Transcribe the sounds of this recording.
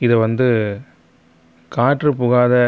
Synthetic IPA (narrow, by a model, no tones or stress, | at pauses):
ɪðɐʋɐnd̪ɯ | kaːʈrɯpʊɣaːðɐ